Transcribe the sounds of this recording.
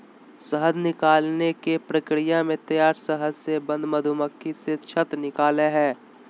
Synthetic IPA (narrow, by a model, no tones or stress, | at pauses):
səɦəd̪nɪkaːlnekepɾɐkɾijamẽt̪ɐjaːɾsəɦəd̪sebɐ̃nd̪mɐd̪ʱuməkʰːiset͡ʃʰət̪ɾnɪkaːleɦɛː